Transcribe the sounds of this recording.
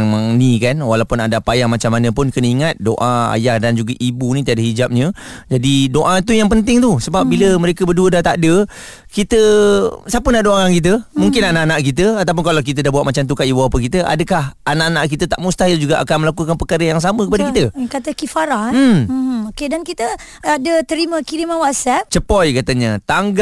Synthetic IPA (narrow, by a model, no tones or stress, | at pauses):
ŋmaŋnikanwalawpʊnadapajahmat͡ʃamːanə̃pʊnkənəiŋat̪̚doʔaa̰jahdand͡ʒuɡaʔibunĩt̪iadəɦid͡ʒap̚ɲə̃d͡ʒadidoʔat̪̬ujaŋpənt̪ɪŋt̪usəbap̚biləməɾekəbəduədaht̪adə | kit̪əsapənaʔdoaankit̪əmũŋkɪnanaʔanaʔkit̪əat̪awp̬ʊnkalawk̬it̪̬ədahbauat̪̚mat͡ʃamt̪̬ukaibuapəkit̪əʔa̰dəkahanaʔanaʔk̬it̪ət̪aʔmust̪aɦɪld͡ʒuɡaʔa̰kanməlakukanpəkaɾəjaŋs̬amə̃kəpadakkit̪əkat̪əkifaɾa | okedankit̪ə | adət̪əɾimə̃kiɾimãnwaʔsɛp̚t͡ʃəpɔjkat̪əɲət̪aŋɡ